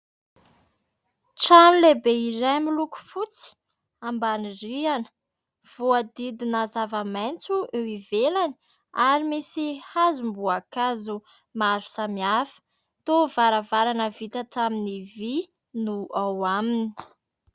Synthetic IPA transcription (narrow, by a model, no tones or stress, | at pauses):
ʈ͡ʂanlebeiɾajmiluku̥fut͡si̥ | ambanirianə̥ | v̥uad̪id̪inazavamajnt͡suʔewivelani̥ | aɾimisihazumbuakazu | maɾu̥samiafə̥ | t̪ovaɾavaɾanəvit̪at̪aminivi | nuawamini̥